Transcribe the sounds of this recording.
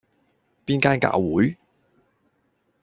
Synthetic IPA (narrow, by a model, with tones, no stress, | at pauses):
piː˥nkaː˥nka̰ː˧˥wwuː˨˥j